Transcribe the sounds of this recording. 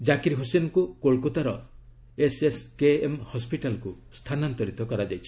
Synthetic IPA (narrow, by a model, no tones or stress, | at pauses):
d͡ʒakiɾɦosenɔkukoɭkot̪aɾɔ | eseskeemhɔspiʈalɔkust̪ʰanant̪ɔɾit̪ɔkɔɾad͡ʒajt͡ʃʰi̥